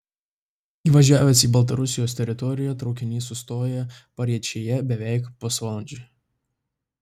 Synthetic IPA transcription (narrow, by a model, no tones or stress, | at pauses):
iːʋɐʒʲæːʋʲɛsiːbɐlˠt̪̬ɐɾʊsʲɪjoːs̬ʲt̪ʲɛɾʲɪt̪ɔɾʲɪjɛt̪ɾɒʊkʲɪnʲiːsʊst̪oːjɛpɐɾʲiɛt͡ʃʲejɛbʲɛʋʲɛˑɪkposʋɐlˠɐnʲd͡ʒʲʊ